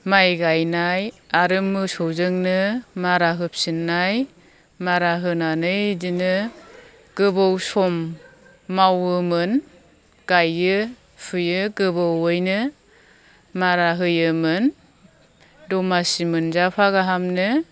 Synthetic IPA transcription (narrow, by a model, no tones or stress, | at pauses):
majɡajnaj | aɾɯmːɯsɔwzɯŋnɯmaɾaɦɯp̚sinːaj | maɾaɦɯnanɯjdinɯ | ɡ̥ɯbɔwsɔmː | awɯmɯn | ɡ̥ajɯ | pʰɯjɯɡɯbɔwɯjnɯ | maɾaɦɯjɯmɯn | dɔmasimɯnzapʰaɡaɦamnɯ